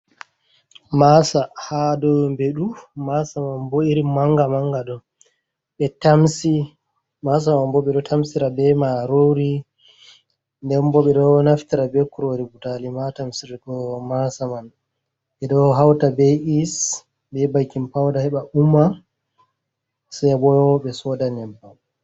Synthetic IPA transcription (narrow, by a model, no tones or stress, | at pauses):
masahadɔmbɛɗumasamanboiɾimaŋɡamaŋɡadɔ | ɓɛtamsi | mas̬amanbɔɓɛɗɔtʰamsiɾabɛmaɾoɾi | ndɛnbɔɓɛɗɔnaftiɾabɛkːuɾoɾibutalimatamsiɾiɡɔmasaman | ɓɛɗɔɦawtabɛis | bɛbajkimpawdahɛɓaʔumːa | sajbɔjɔɓɛsɔdanɛba